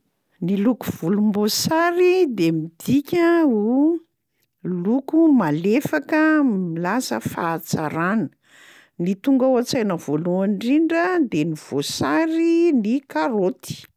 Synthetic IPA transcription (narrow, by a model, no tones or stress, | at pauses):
nilukuv̥ulumbosaɾid̪emid̪ikʲəu | lukumalefakəmilasə̰fat͡sa̰ɾanə | nit̪uŋɡawat͡sajnəv̥oluaɳɖ͡ʐiɳɖ͡ʐəd̪eniv̥osaɾinikaɾot̪i̥